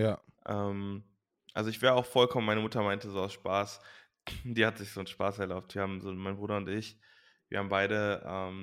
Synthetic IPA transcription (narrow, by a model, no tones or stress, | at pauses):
jaː | ʔɛːm | ʔa̰lzoɪçv̥eːʁəaʊxfɔlkʰɔmənmaɪnəmʊtɐmaɪntəzoːaʊsʃpaːs | d̥iːhatz̥ɪçz̥oːnʃpaːsɛɐlaʊp̚tv̥iːhaːbm̩zoːmaɪnbʁuːɾɐʊntɪç | viːɐhaːbmbaɪɾəʔɛ̰ːm